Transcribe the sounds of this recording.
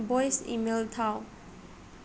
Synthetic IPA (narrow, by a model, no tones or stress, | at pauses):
bɔjsḭmelt̪ʰaw